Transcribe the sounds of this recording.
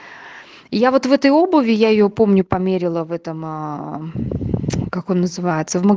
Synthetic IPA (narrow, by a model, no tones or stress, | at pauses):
javo̞t̪vɛt̪əjo̞bəvʲɪjaɪjo̞po̞mnʲʊpɐmʲeɾʲɪlˠəvɛt̪əmə | kako̞nːəzɨvajɪt̪səvməɡ